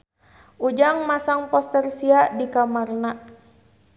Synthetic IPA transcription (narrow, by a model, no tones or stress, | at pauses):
ʔud͡ʒaŋmasaŋpɔst̪ərsiaʔdikamarna